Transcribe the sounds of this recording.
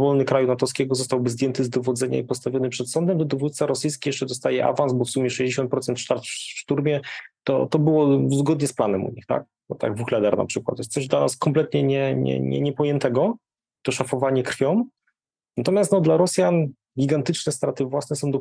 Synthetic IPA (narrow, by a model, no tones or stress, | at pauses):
vɔlnɘkɾajunat̪ɔskʲɛɡɔzɔst̪awbɘzd̪jɛnt̪ɘzd̪ɔvɔd̪zɛɲa̰ipɔst̪avʲjɔnɘpʂɛt̪sɔnd̪ɛmd̪ɔd̪ɔvut̪t̪saɾɔsɘjskʲijɛʂt͡ʂɛd̪ɔst̪ajɛʔa̰vansbɔfsumjɛʂɛʑd͡ʑeɕɔ̃nt̪pɾɔt̪sɛnt̪ʂt̪aɾt̪ffʂt̪uɾmʲjɛt̪ɔ̰t̪ɔbɘwɔzɡɔd̪ɲɛsplanɛmṵɲixt̪a̰k̪̚ɔt̪a̰ɡvuxlɛd̪ɛɾna̰pʂɘkwat̪jɛst̪ɛʐd̪lanaskɔmplɛt̪ɲɛɲɛɲɛ̰ɲɛ̰ɲɛpɔjɛnt̪ɛɡɔ | t̪ɔʂafɔvaɲɛkɾfʲjɔm | nat̪ɔmjast̪nɔd̪laɾɔsʲjan | ɡʲiɡant̪ɘt͡ʂnɛst̪ɾat̪ɘvwasnɛsɔ̃w̃d̪ɔ